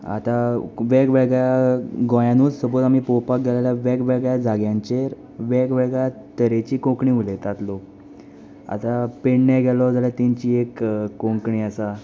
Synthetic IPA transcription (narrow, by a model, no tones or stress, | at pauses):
a̰t̪aʋeɡʋɛɡjaɡɔ̃januːt͡ssəbɔt̪am̤ipɔpak̚ɡɛlaljaʋeɡʋɛɡjad͡zʱaɡjãɲt͡ɕeɾ | ʋɛkʋɛɡa | t̪əɾet͡ɕiːkõkɳiːulet̪at̪lɔ | a̰t̪apeɳnaɡʱɛlɔd͡zaljat̪iɲt͡ɕiːekkːõŋkɳiːasa